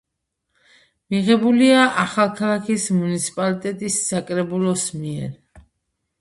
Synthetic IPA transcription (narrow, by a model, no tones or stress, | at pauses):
miʁɛbuliaʔaχalˠkʰalˠakʰismunit̪sʰi̥pʼalit̪ʼɛt̪ʼisːakʼɾɛbulˠɔsmiɛɾ